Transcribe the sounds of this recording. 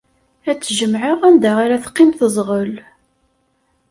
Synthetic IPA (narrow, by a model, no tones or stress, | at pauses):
æt͡sːʒəmʕəʁænd̪æaɾæθqːimθəzˤʁəl